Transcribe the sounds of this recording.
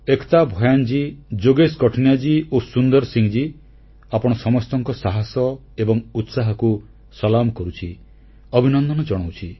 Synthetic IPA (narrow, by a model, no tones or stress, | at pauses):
ekt̪abʱɔjand͡ʒid͡ʒoɡeskɔʈʰɔnjad͡ʒiosund̪ɔɾsiŋd͡ʒi | apɔɽ̃ɔsɔmɔst̪ɔŋkɔsaɦasɔ | ebɔŋut̪saɦɔku | sɔlamkɔɾut͡ʃʰi | ɔbʱinɔnd̪ʱɔnɔd͡ʒɔɽ̃awt͡ʃʰi